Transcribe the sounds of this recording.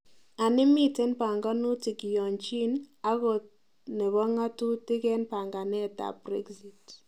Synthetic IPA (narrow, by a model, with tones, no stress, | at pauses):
a˨nɪ˦mi˦te˦npa˨ŋɡa˦nu˦tɪ˨ki˨jɔ˨nt͡ʃi˦na˦ɣɔ˨ | nɛ˨βɔ˦ŋa˦tu˦tɪ˦kɛ˦npa˨ŋɡa˨nɛ˦˨ta̰˨bɾɛ˦ɡzi˨t